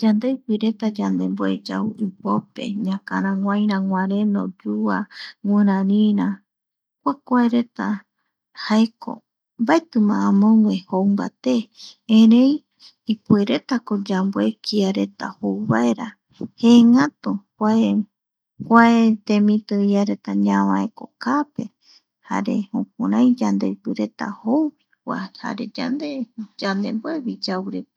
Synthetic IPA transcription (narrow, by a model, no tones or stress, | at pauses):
d͡ʒand̪ejpiɾe̞t̪ad͡ʒand̪e̞mboed͡ʒa̰uipope̞̰ɲãka̰ɾ̃ãŋʷãj̃ɾãŋʷãɾẽno̰d͡ʒua̰ŋɨ̃ɾãɾĩɾã | kʷakʷaeɾet̪a | haeko̰ | mbaet̪ɨmãːmõŋwẽhoumba̰t̪eẽɾẽj | ipueɾe̞t̪akod͡ʒambwekʰiaɾe̞t̪a̰howβaeɾa | heŋãt̪u | ae | hwaet̪ẽmĩt̪ɨiaɾe̞t̪aɲãβãeko̞̰kape̞ | ha̰ɾe̞̰hõk̚aɾãj̃d͡ʒand̪eipɨɾe̞t̪a̰howβikʷa̰ha̰ɾed͡ʒa̰nd̪ed͡ʒand̪emboeβid͡ʒawɾe